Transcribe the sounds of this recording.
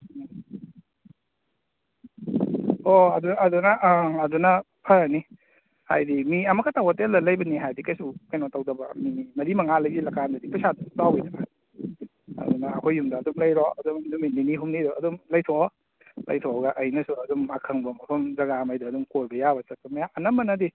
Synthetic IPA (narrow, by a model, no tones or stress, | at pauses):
oɐdunːdunɐʔːdunɐ | pʰɐɾakni | ha̰jdimiɐmɐkːatawatelɐlɐjbɐniɦajdikajsukajnɔtawdɐbɐ̰minimɐɾimɐŋalɐjdilɐkandɐdipɐsadɐsu̥tawidɐɡa | ɐ̰dunɐːkʰojːumdɐːdumlɐjɾɔɐdumdumiminiɦumniɾɔɐdumlɐjtʰɔ | lɐ̰jtʰɔɡɐʔɐjnɐsuɐdumakʰɐŋbɐmɐpʰɐmzɐɡamajdɐːdumkojbɐjabɐsɐpɐmɐjaʔɐnɐmbɐnɐdi